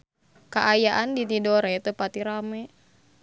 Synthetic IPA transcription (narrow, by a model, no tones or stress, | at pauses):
kaʔajaʔandit̪idɔɾɛt̪əpat̪iɾamɛ